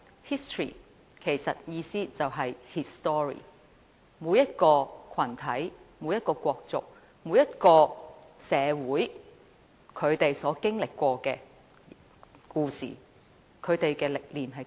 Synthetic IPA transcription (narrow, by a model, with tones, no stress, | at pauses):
hi˥st̪ʰɹḭ˨˩ | kʰe˨˩jsɐ˨t̚jiː˧siː˥t͡sɐ˨wɦɐ˨jhi˧st̪ɔː˥ɹḭː˨˩ | muː˨˧jːɐ˥t̚kɔː˧kʰɐ˨˩nt̪ʰɐ˨˥jmu˨˧˥jɐ˥t̚kɔː˧kʷɔː˧k̚t͡sʊ̰˨k̚ | muː˨˧jɐ˥t̚kɔː˧sɛː˨˧wuː˨˥j | kʰɵ˨˧ɥt̪e˨jsɔː˨˥kɪ˥ŋlɪ˨kːʷɔː˧kɛː˧ | kuː˧sḭː˨˩ | kʰɵ˨˧ɥt̪e˨jkɛː˧lɪ˨k̚liː˨˩nɦɐ˨j